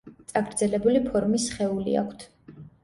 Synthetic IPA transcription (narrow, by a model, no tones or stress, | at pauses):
t̪sʼaɡɾd̪zɛlɛbulipʰɔɾmisχɛulḭa̰kʰt̪ʰ